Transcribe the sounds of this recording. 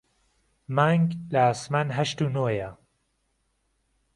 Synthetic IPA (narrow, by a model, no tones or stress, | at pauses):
maːŋɡlaaːsmanɦɐʃt̪unoːjɐ